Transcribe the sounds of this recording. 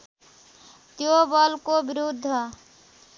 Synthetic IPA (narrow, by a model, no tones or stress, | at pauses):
t̪jobʌlkobiɾud̪ʱːə